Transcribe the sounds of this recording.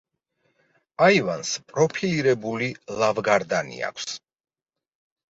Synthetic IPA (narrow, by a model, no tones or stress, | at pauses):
aivanspʼɾɔpʰiliɾɛbulilˠavɡaɾd̪anḭa̰kʷʰs